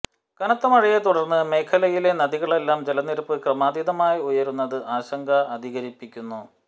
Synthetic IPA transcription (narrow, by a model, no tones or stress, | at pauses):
kɐnɐt̪ːɐmɐɻɐjet̪uɽɐrnːɨme̞ːkʰːɐlɐjile̞nɐðiɣɐɭe̞lːaːmd͡ʑelɐnːiɾpːɨkrɐmaːd̪iðɐmaːjiujɐɾunːɐðɨʔaːɕɐŋɡʱɐɐd̪ʱiɣɐɾipːikʲːunːu